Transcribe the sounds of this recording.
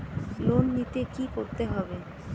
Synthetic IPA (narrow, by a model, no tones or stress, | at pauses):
lonːit̪ekikoɾt̪eɦɔbe